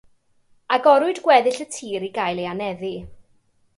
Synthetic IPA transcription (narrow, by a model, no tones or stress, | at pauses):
aɡɔɾʊɨdɡwɛðɪɬətʰiːɾiɡajlˠeanɛði